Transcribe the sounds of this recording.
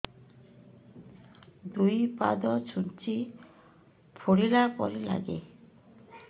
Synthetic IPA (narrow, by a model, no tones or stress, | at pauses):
d̪ujpa̰d̪ɔt͡ɕʰunt͡ɕi | pʰoɽilapɔɾila̰ɡḛ